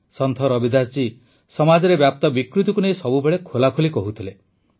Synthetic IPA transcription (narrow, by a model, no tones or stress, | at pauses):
sɔnt̪ʰɔɾɔbid̪ʱat͡ʃi | sɔmad͡ʒɔɾebjap̚t̪ɔbikɾut̪ɔkunejsɔbubeɭekʰolakʰulikɔɦut̪ʰile